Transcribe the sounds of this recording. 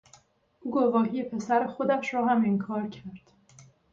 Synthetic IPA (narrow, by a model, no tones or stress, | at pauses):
ʔuːɡovɒːɦije̞pʰe̞sæɾexod̪æʃɾɒːhæmeŋkʰɒːɾcʰæɾd̪̥